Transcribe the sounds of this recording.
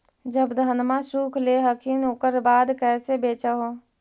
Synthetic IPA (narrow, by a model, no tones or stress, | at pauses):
d͡ʒəbd̪ʱənmãsukʰleɦəkʰinoːkəɾbaːd̪kɛːsebet͡ʃəɦo